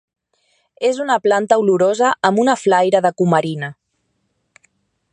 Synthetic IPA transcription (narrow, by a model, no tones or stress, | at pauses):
ezunəplant̪əuluɾozəːmunəflajɾəðəkuməɾina